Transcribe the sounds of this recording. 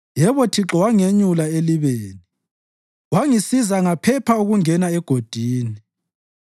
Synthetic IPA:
jɛβɔtʰiǁɔwaŋeɲulaeliβeːni | waŋisizaŋapʰɛpʰauɣuŋɛnaɛɡ̥ʱod̥ʱiːni

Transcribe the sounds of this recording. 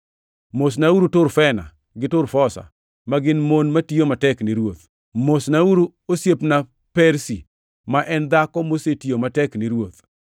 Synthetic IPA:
mos̬nauɾutʊɾfɛna̰ | ɡɪtʊɾfɔsa̰ | maɡɪnmonmatijomatɛkniɾwot̪ | mosnauɾu | osjepna | pɛɾsi | maʔɛnd̪akɔmosetijomatɛknɪɾwot̪

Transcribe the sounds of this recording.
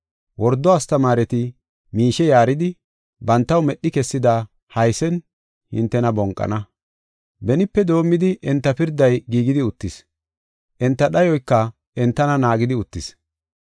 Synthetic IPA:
wɔɾd̪ːɔɐst̪ɐmaːɾɛt̪ɪ | miːʃɛjaːɾɪd̪ɪ | bɐnt̪ːɐwmɛɗːɪkɛsːɪd̪a | hɐjsɛn | hɪ̰nt̪ːɛnɐbɔŋkʼːɐ̰nɐ | bɛnɪpːɛd̪o̞ːmːɪd̪ɪʔɛnt̪ːɐpɪɾd̪ɐjɡiːɡɪd̪ɪʊt̪ːɪs | ʔɛnt̪ːɐɗɐjɔjkːɐ | ɛnt̪ːɐnɐnaːɡɪd̪ɪʊt̪ːɪs

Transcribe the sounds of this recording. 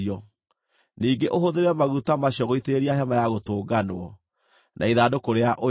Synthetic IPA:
ɔ | niːŋɡeʔoɦoðeɾɛmaɣutamaɕɔɣoiteeɾiaɦɛmajaɣotoːɡanoɔ | nʔa̰iðaːdokoɾeaʔo

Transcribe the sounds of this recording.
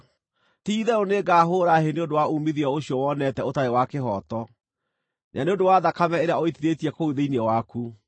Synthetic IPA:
tiːðɛoneɡaɦoːɾaɦeneondowaumiðiɔoɕjɔwɔnɛtɛotaewakeɦɔtɔ | naneondowaːðakamɛeɾeaɔitiɾetiɛkouðeinɛwaku

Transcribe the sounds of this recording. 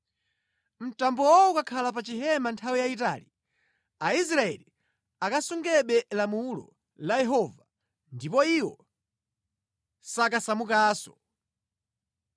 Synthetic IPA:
m̩tambɔwɔukakʰalap̬at͡ʃiɦɛmantʰawijaita̰li | ais̬ɾaɛ̰li | akasuŋɡɛɓɛlamulɔ̰ | lajɛɦɔva | ndipɔiwɔ | sakasamukaːsɔ̥

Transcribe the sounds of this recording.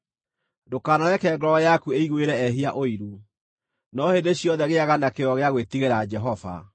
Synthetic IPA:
dokaːnaɾɛkɛːɡɾɔjakueiɣweɾɛɛɦiaʔoiɾu | nɔhedeɕjɔðɛɣeaɣanakeɔɣeaɣwetiɣeɾad͡ʒɛɦɔva̰

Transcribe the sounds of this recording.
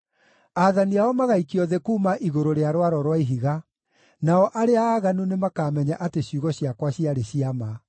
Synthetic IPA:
aðaniaɔmaɣaikiɔðekuːmaʔiɣoɾoɾeaɾowaɾɔɾwaiɦiɣa | naɔʔaɾeaːɣanunemakaːmɛɲaʔateɕjuɣɔɕiakwaɕiaɾeɕiama

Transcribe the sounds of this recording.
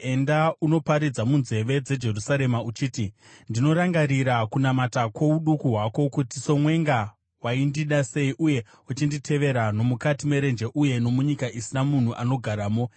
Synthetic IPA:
e̞ndauno̞paɾid͡zamunze̞ʋe̞d͡ze̞d͡ʒe̞rusaɾe̞maut͡ʃiːti | ndino̞ɾaŋɡaɾiɾakunamatakwo̞uɗukuɦwako̞kutiso̞mwe̞ŋɡa | waindiɗase̞iʔuje̞ | ut͡ʃinditʰe̞ʋe̞ɾano̞mukatime̞ɾe̞nd͡ʒeʔuje̞no̞muɲikaʔisinamun̤uʔano̞ɡʱaɾaːmo̞

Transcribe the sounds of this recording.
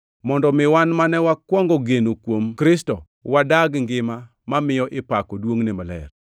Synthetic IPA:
mɔndɔmɪwanmanɛwakwɔŋɡɔɡenokwomkɾɪstɔ | wadaɡŋɡɪma | mamɪjɔʔɪpakɔdwoŋnemalɛ̰r

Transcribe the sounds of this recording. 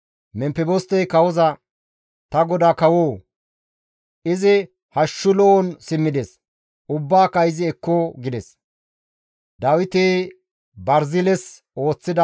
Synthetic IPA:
mɛmpɛbost̪ɛjkɐwɔzɐ | t̪ɐɡɔd̪aːkɐwoː | ɪzɪ | hɐʃːʊlɔɔnsɪmːɪd̪ɛs | ʊbːaːkɐɪzɪɛkːɔɡɪd̪ɛs | d̪ɐwɪt̪eː | bɐɾzɪlɛs | o̞ːt͡sːɪd̪ɐ

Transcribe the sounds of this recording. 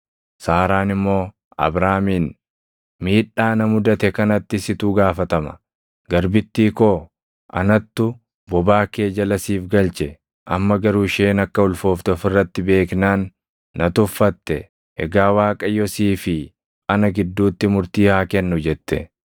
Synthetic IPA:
saːɾaːnɪmːo̞ː | ɐ̰bɾaːmiːn | miːᶑaːnɐmʊd̪ɐt̪ɛkɐnɐt̪ːɪsɪt̪uɡaːfɐt̪ɐmɐ̥̰ | ɡɐɾbɪt̪ːiːkoː | ʔɐ̰nɐt̪ːʊ | bɔbaːke̞ːd͡ʒɐlɐsiːfɡɐlt͡ʃɛ | ʔɐ̰mːɐɡɐɾuːʃe̞ːnɐkːɐʊlfo̞ːft̪ɔfɪrːɐt̪ːɪbe̞ːknaːnː | ɐt̪ʊfːɐt̪ːɛ | ɛɡaːwaːkʼɐjɔsiːfɪ | ʔɐnɐɡɪd̪ːuːt̪ːɪmʊɾt̪iːhaːkɛnːʊd͡ʒɛt̪ːɛ̰

